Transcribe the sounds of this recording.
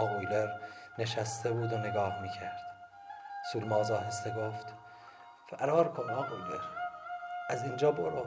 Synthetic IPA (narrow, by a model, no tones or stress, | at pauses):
ɒːɣojleɾne̞ʃæst̪ʰebuːd̪oneɡɒːhmiːcʰæɾd̪̥ | suːlmɒːzɒːɦæst̪eɡoft̪ | fæɾɒːɾkʰonnɒːʔoujlḛɾ | ʔæzind͡ʒɒːboɾo